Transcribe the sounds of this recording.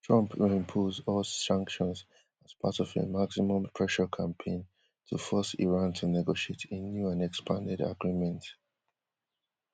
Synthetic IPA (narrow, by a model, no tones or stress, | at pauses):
tʰɹ̥ʌ̃mpʰɪ̃mpʰozɔlsãŋkʃɔ̃nz | az̥pʰatɔvḛmaksimɔ̃mpʰɹɛʃəkʰãmpʰẽɪ̃n | tʰufɔsḭɹãntʰunɛɡoʃietʰenjuãnɛkspʰãndɪda̰ɡɹimɛ̃nt